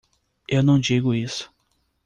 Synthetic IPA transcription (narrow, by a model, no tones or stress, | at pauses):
ewnɐ̃w̃d͡ʒiɡʊisʊ̥